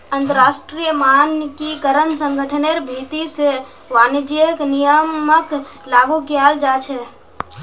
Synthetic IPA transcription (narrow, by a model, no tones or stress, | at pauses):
ənt̪əɾaːʃʈɾijəmankikəɾənsəŋɡʱəʈʰəneɾbʱit̪ise | ʋand͡ʒijəknijəmək | laːɡukjaːld͡ʒaːt͡ʃʰɛ